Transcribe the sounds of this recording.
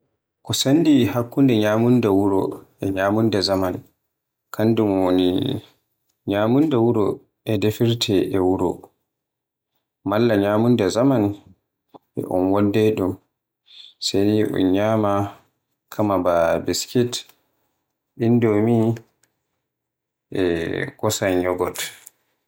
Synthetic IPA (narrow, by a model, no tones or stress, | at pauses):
kɔsandihakːundɛɲaːmundawuɾɔ̰ʔɛɲaːmundazaman | kʰandumwonḭ | ɲaːmundawuɾɔ | ʔɛdefiɾtʰɛʔɛwuɾɔ̰ | malːaɲaːmundazaman | ʔɛ̰ʔɔ̰nwɔndɛɗum | seniʔɔ̰nɲama | kʰamababiskit | ɗindomi | ʔɛ̰kɔsajɲɔɡɔt